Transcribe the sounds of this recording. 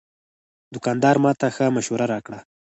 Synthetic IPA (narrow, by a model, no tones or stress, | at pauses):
d̪ʊkɑnd̪ɑɾmɑt̪axəmaʃhuɾaɾɑkɽa